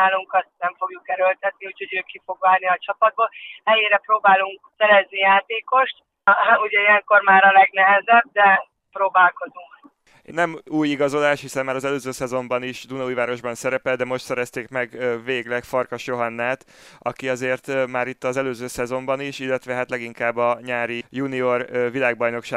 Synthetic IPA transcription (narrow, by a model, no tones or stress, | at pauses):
aːluŋkɒst̪̚nɛɱfo̞ɡjukɛɾølt̪ɛt̪niuːcho̞ɟøːkifo̞ɡʋaːrniɒt͡ʃɒpɒd̪̚boːlhɛjeːɾɛpɾoːbaːluŋksɛɾɛznijaːt̪eːko̞ʃt̪ | uɟɛiɛŋko̞rmaːɾɒlɛɡnɛɦɛzɛb̚d̪ɛ | pɾoːbaːlko̞zuŋk | nɛmuːjiɡɒzo̞laːʃhisɛmmaːɾɒzɛløːzøːsɛzo̞mbɒniʃd̪unɒuːjvaːɾo̞ʒbɒnsɛɾɛpɛld̪ɛmo̞ʃt̪sɛɾɛst̪eːkmɛɡveːɡlɛkfɒrkɒʃjoɦɒnːaːt̪ | ɒkiɒzeːrt̪maːɾit̪ːɒzɛløːzøːsɛzo̞mbɒniʃilːɛt̪ʋɛɦat̪lɛɡiŋkaːbːɒɲaːɾijunio̞rvilaːɡ̚bɒjno̞kʃaː